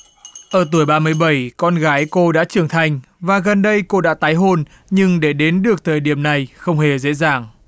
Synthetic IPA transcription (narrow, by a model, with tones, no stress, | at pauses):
ʔəː˧˩t̪u˧˩əjɓaː˧mɨ˧əjɓə˧˩jkɔ˧nɣaː˨˦jko˧ɗa̰ː˧˥t͡ɕɨ˧˩əŋt̪ʰa˧jŋ̟ | vaː˨˩ɣə˨˩nɗə˧jko˧ɗa̰ː˧˥t̪aː˨˦jɦo˧n | ɲɨ˧ŋɗe˧˩ɗe˨˦nɗɨ˨˩ək̚t̪ʰəː˨˩jɗi˧˩əmna˨˩jxə˧wŋ͡mhe˨˩zḛ˧˥zaː˨˩ŋ